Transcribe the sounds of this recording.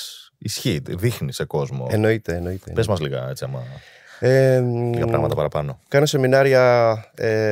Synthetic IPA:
isçit̪ðixniseko̞zmo̞̰eno̞it̪e̞ːno̞it̪ḛpezmɐzliɣɐ̰e̞t͡siɐmɐ | eliɣɐpɾɐ̰mɐ̰tt̪ɐpɐɾɐpɐno̞kɐno̞se̞minɐɾiɐe

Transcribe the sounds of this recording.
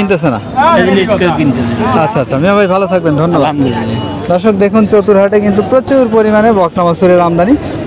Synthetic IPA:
int̪esʰena̰nikakint̪esʰeatːɕʰaːtːɕʰamiabʱajbʱalot̪ʰak̚bend̪ʱɔnːoba | d̪ɔɾʃok̚d̪ekʰunt͡ɕot̪uɾɦaʈekint̪upɾot͡ɕouɾpoɾimanebɔknamasuɾeɾamd̪ʱani

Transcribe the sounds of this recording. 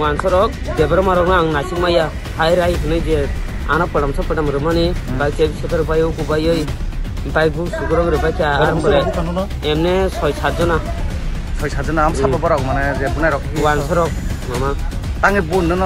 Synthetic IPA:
wansɔɾɔk̚dɛbɔɾɔmaɾɔnaŋnasikmaja | hajɾajɦɯnɯjd͡ʒɛ | a̰napɯɽamsɔpɯʈamɾɯmanibajkebisɛpʰaɾɯbajɯwɡubajɔj | baj̚busuɡuɾɔŋɾɯbajkʰjaɾɔmkɔɾɛ | ɛmnɛsɔjsat̚zɔna | sɔjsatzɔnaːmsɔɔbɔɾɔk̚manɛzɛbunajɾɔkʰiiwansɔɾɔk̚ | mama | taŋebunːɯnɔ

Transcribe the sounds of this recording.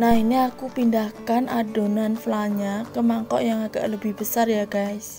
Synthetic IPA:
nahiniakupindahkanʔadonanflaɲakəmaŋkɔ̰ʔjaŋaɡ̥a̰ʔləbɪhb̥əsarjaɡaɪs

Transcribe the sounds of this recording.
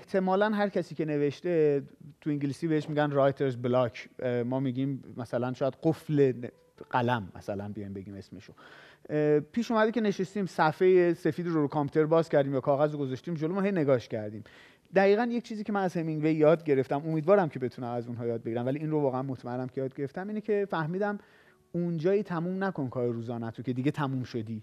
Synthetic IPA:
eht̪ʰe̞mɒːlænɦæɾcʰæsiːcʰe̞ne̞ve̞ʃt̪e̞t̪ʰuiŋɟilisiːbeeʃmiɟænrɒjt̪ʰeɾzblɒkʰmɒːmiɟiːmːæsælænʃɒːjæd̪ɢofle̞n | ɢ̥ælæmːæ̰sælænbijɒːjmbe̞ɡiːme̞sme̞ʃo | pʰiːʃumæd̪ecʰe̞ne̞ʃest̪iːmsæfejese̞fiːd̪ɾoɾukʰɑmpʰu̥t̪ʰe̞ɾbɒːzcʰæɾd̪iːmjɒːkʰɒːɣæzoɡozɒʃt̪iːmd͡ʒolomɒːhejne̞ɡɒːʃcʰæɾd̪iːm | d̪æɣiːɣænje̞c̚t͡ʃʰiːziːcʰemænæzhemiŋɡvejːɒːd̪̚ɟe̞ɾe̞ft̪æmo̞miːd̪vɒːɾæmcʰe̞be̞t̪ʰunæmæzunɦɒːjɒːd̪̚beɡiɾæmvæliiːnrovɒːɣeænmot̪ʰmæe̞nːæmcʰe̞jɒːd̪̚ɟe̞ɾeft̪æmiːnecʰe̞fæhmiːd̪æm | und͡ʒɒːjiːt̪ʰæmuːmnæko̞nkʰɒːɾeɾuːzɒːnæt̪ʰocʰe̞d̪iːɟet̪ʰæmuːmʃod̪iː

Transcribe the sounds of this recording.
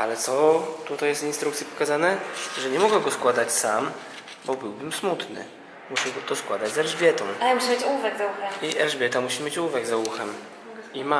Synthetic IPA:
alɛt̪sɔt̪ut̪ajɛst̪inst̪ɾukt̪sʲjɛpɔ̥kazanɛʐɛɲɛmɔɡɛɡɔskwad̪at͡ɕsam | bɔbɘwbɘmsmut̪nɘ̰ | muɕɛwɔt̪ɔskwad̪ad͡ʑzɛlʐbʲjɛt̪ɔ̃w̃amuɕɛbɘt͡ɕuvɛɡzauxɛmiʔɛlʐbʲjɛt̪amuɕimʲjet͡ɕuuvɛɡzawuxɛm | ima

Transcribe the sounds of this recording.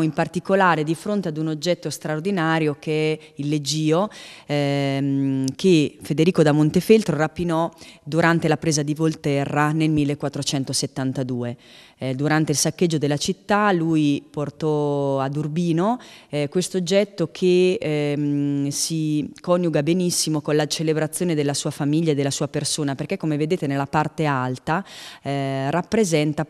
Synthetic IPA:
impart̪ikolaːɾed̪ifɾont̪ead̪unod͡ʒːɛt̪ːost̪ɾaord̪inaːɾjokʰeɛilːed͡ʒiːo | kefed̪eɾiːkod̪amont̪efelt̪ɾorapːinɔd̪uɾant̪elapɾeːzad̪ivolt̪ɛrːanelmilːekːwat̪ːɾot͡ʃɛnt̪oset̪ːant̪ad̪uːe | d̪uɾant̪eilsakːed͡ʒːod̪elːat͡ʃit̪ːalujport̪ɔad̪urbiːnokwest̪ood͡ʒːɛt̪ːokʰe | sikɔnjuɡabenisːimokonlat͡ʃelebɾat̪sːjoːned̪elːasuːafamiʎːaed̪ːelasuːapersoːnaperkekːomeved̪eːt̪enelːapart̪ealt̪a | rapːɾezɛnt̪a

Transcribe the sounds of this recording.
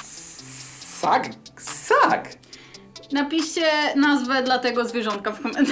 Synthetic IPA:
fa̰ksak | napʲiʂt͡ɕɛnazvɛd̪lat̪ɛɡɔzvʲjɛʐɔnt̪̚kafkɔmɛnt̪

